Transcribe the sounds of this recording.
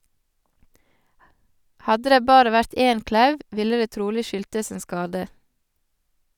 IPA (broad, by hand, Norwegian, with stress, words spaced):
ˈhɑdə ˈdeː ˈbɑːɾə ˈʋæɾt ˈeːn ˈklɑʉʋ ˈʋɪlə ˈdeː ˈtɾuːlɪ ˈʃʏltəs ˈeːn ˈskɑːdə